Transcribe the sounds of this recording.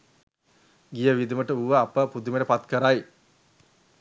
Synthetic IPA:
ɡijəʋid̪iməʈəuʋəapəpud̪umeʈəpat̪kəɾaj

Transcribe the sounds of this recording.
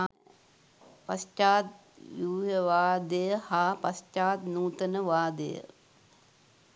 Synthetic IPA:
a | pɐst͡ʃaːt̪̚ | ʋuːɦəʋaːd̪əjəhaːpɐst͡ʃaːt̪nuːt̪ənəʋaːd̪ə̰jə̰

